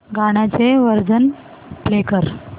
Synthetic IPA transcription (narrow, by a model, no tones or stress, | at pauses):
ɡaɽ̃at͡seʋəɾd͡zən | plekəɾ